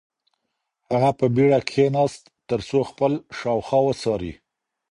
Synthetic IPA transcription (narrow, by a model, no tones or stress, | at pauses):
haɣapəbiɽakʰenɑst̪ːəɾsoxpəlʃɑwxɑwəsɑɾḭ